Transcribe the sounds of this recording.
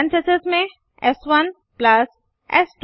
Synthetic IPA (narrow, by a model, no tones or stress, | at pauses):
nt͡ʃəsɪzmẽ | ɛsʋɐn | plɐs | ɛ̰sʈ